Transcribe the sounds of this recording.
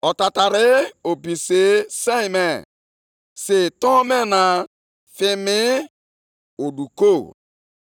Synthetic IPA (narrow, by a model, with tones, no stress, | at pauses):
ɔ˨ta˨ta˨ɾɪ˦o˨bi˨se˦se˦˨me˨ | se˨tɔ˦me˦na˨ | fɪ˦mɪ˦ | o˨du˨ko˦˨